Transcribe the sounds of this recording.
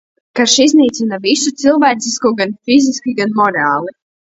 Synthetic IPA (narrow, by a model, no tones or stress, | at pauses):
kaʃizniːt̪sinavisut̪silˠvæːt̪siskuɡanfiziskʲiɡanmɔɾaːlˠi